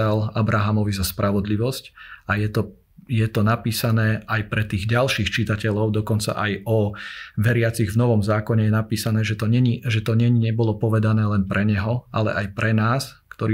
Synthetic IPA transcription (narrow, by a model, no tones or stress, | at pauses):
alabɾaɦamɔʋizaspɾʔaʋɔd̪liʋɔscajɛt̪ɔ | jɛt̪ɔnapiːsanɛːajpɾɛt̪iːɣɟalʃixt͡ʃit̪acɛʎɔʊd̪ɔkɔnt͡sa̰ʔajɔʋɛɾɪat͡siɣvnɔʋɔmzaːkɔɲɛjɛnapiːsanɛːʒɛt̪ɔɲɛɲiʒɛt̪ɔɲɛɲiɲɛbɔlɔpɔʋɛd̪anɛːlɛnpɾʔɛɲɛɦɔalɛ̰ʔajpɾɛnaːskt̪ɔɾi